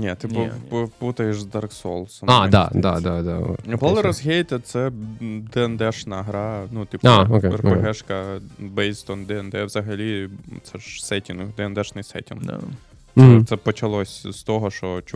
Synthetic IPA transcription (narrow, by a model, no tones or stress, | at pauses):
nʲɛt̪ɪpɔput̪ɐjeʃzd̪ɑrksɔlˠsɔmad̪a̰d̪a̰d̪ad̪ao̰npɔlˠɾɔzɦʲejt̪ɛt̪sɛd̪ɛɛnd̪ɛʂnɐɦɾɑnut̪ipaokekpɦɛʃkɐbɛjst̪ɔnd̪ɛɛnd̪ɛʋz̥ɐɦɐlʲit̪sɛʒsɛtʲinkd̪ɛɛnd̪ɛʃnɪjsɛ̰tʲḭn̰ | mɛt̪sɛpɔt͡ʃɐlˠɔsʲst̪ɔɦɔʃɔt͡ʃ